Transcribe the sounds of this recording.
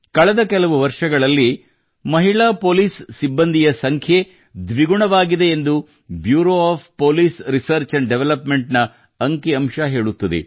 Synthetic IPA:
kɐɭɛd̪ɐkɛlɐʋuʋɐɾʂɐɡɐɭɐlːi | mɐɦiɭaːpoːliːsːibːɐnd̪ʱijɐsɐŋkʰje̞ | d̪ʋiɡuɳɐʋaːɡid̪e̞ːnd̪u | bjuːɾoːaːpʰpoːliːsɾisɐɾt͡ʃɐɳɖeʋɛlɐpme̞ɳʈnɐ | ɐŋkiɐmʂaɦe̞ːɭut̪ːɐd̪ḛ

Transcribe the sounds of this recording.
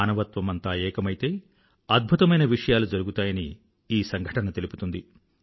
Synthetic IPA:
aːnɐʋɐt̪ʋɐmɐnt̪aːɛːkɐmɐjt̪e̞ː | ɐd̪̚bʱut̪ɐmɐjnɐʋiʂɐjaːlud͡ʒɐɾuɡut̪aːjɐni | iːsɐŋɡʱɐʈɐnɐt̪e̞lipu̥t̪und̪i

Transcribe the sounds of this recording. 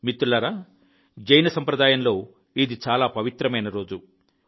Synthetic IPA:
mit̪ːulɐɾaː | d͡ʒɐjnɐsɐmpɾɐd̪aːjɐmlo̞ː | id̪it͡ʃaːlaːpɐʋit̪ɾɐmɐjnɐɾo̞ːd͡ʒu

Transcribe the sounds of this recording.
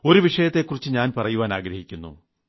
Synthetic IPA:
o̞ɾuʋiʂɐjɐt̪ːe̞kːurit͡ɕːɨɲaːnpɐrɐjuʋaːnaːɡɾɐhikʲːunːṵ

